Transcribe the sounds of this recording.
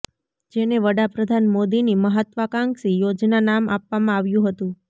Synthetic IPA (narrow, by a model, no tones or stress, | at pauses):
d͡ʒeneʋəɽapɾəd̪ʱanmod̪iniməɦət̪ʋəkãŋɡsijod͡ʒnanamʔapʋamãaʋjũɦət̪ũ